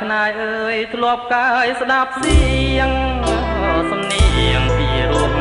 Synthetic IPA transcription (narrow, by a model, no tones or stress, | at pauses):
kʰnaːjʔəːjt̪ʰlʊ̆əp̚kajsɗap̚siəŋ | sɑmniəŋpiɾuək̚